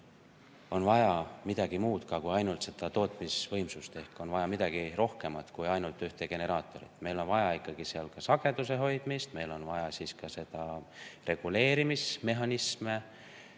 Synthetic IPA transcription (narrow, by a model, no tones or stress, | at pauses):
o̞nvɑjɑmid̪̥ɑɡ̥imuːt̪kɑkujɑjnult̪se̞d̪̥ɑt̪o̞ːt̪ˑmisvɤ̞jmsust̪e̞hko̞nvɑjɑmid̪ɑɡ̥iro̞hke̞mɑt̪kujɑjnult̪ːˑyht̪eɡ̥e̞ne̞ɾɑːt̪ːˑo̞ɾḭt̪ːˑme̞jlo̞nvɑjɑikːˑɑɡ̥iseɑlkɑsɑɡ̥e̞d̪use̞ɦo̞jd̪̥mist̪me̞jlo̞nvɑjɑsiskɑse̞d̪̥ɑre̞ɡ̥ule̞ːɾimisme̞ɦɑnisme